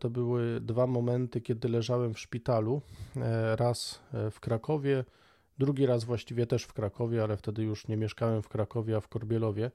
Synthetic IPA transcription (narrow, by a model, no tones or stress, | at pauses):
t̪ɔbɘwɘd̪vamɔmɛnt̪ɘkʲjɛd̪ɘlɛʐawɛmfʂpʲit̪alu | ɾasfkɾakɔvʲjɛ | d̪ɾuɡʲiɾazvwaɕt͡ɕivʲjɛt̪ɛʂfkɾakɔvʲjɛalɛft̪ɛd̪ɘjuʂɲɛmʲjɛʂkawɛmfkɾakɔvʲjɛafkɔɾbʲjɛlɔvʲjɛ